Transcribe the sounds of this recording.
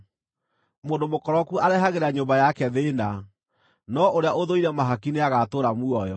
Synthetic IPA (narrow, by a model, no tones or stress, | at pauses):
moːndomokɔɾɔkuaɾɛɦaɣeɾaɲombajakɛðena | nɔʔoɾeaʔoðoiɾɛmaɦakineaɣatoːɾamuɔjɔ